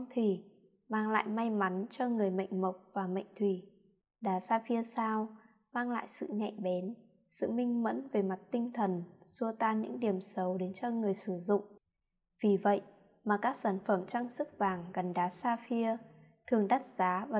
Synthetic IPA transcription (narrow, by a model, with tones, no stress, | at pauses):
ŋ͡mt̪ʰi˨˩ | maː˧ŋla̰ː˧˨jma˧jma˨˦nt͡ɕɔ˧ŋɨ˨˩əjmə̰˧˨jŋ̟mə˨˩wk͡p̚vaː˨˩mə̰˧˨jŋ̟t̪ʰwi˧˩ | ɗaː˨˦saː˧fi˧əsaː˧w | maː˧ŋla̰ː˧˨jsɨ̰˧˨ɲa̰˧˨jɓɛ˨˦n | sɨ̰˧˨mï˧ŋ̟mə̰˧˥nve˨˩ma˨˩t̚t̪ï˧ŋ̟t̪ʰə˨˩nsu˧ət̪aː˧ɲɨ̰˧˥ŋɗi˨˩əmsə˨˦wɗe˨˦nt͡ɕɔ˧ŋɨ˨˩əjsɨ˧˩zʊ̰˧˨ŋ͡m | vi˨˩və̰˧˨jʔ | maː˨˩kaː˦˥k̚saː˧˩nfə˧˩mt͡ɕa˧ŋsɨ˦˥k̚vaː˨˩ŋɣə˨˩nɗaː˨˦saː˧fi˧ə | t̪ʰɨ˨˩əŋɗa˦˥t̚zaː˨˦vaː˨˩